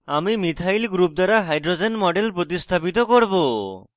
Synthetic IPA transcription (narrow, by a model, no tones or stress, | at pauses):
amimit̪ʰajlɡɾup̚d̪aɾaɦajɖɾod͡ʒenmɔɖelpɾot̪ist̪ʰapit̪ɔkoɾbo